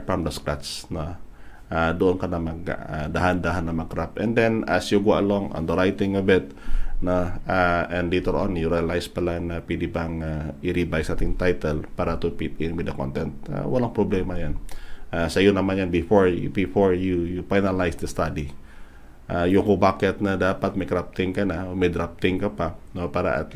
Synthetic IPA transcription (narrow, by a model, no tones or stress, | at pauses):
fɹamd̪ɐskɾat̪snoʔad̪oʔonkɐnɐmɐɡad̪ahand̪aɦanːɐmɐɡ̚kɾapʔɛnd̪ɛnɐsjuɡwaʔɐloŋɔ̰nd̪ɐɾajt̪ɪ̃ŋɐbɪt̪̚ | noʔaʔɛ̃nd̪lɛjt̪ɛɹʔõnjuɾiɐlajspɐlanɐpɛd̪ɪbaŋaʔɪɾibajsʔaːt̪ɪŋt̪ajt̪ɛlpaːɾɐt̪upɪt̪̚ɪ̃nwɪd̪ɐko̰nt̪ɛnt̪̚a̰wɐlaŋpɾoblɛmɐjanʔasɐjonɐmanjanbɪfoɹbɪfoɹjujufajnɐlajsd̪ɐst̪ad̪i | ʔajʊŋkʊbaːkɛt̪̚nɐd̪aːpɐt̪̚mɐjkɾap̚t̪ɪŋkɐnamɛjd̪ɾap̚t̪ɪŋkɐpanopaːɾa̰ʔɐ̰t̪